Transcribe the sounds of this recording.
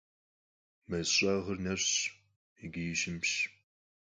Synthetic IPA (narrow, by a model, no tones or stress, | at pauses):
mɐɕʼaːʁɐrnɐɕɕ | iɡijɪɕɪmɕ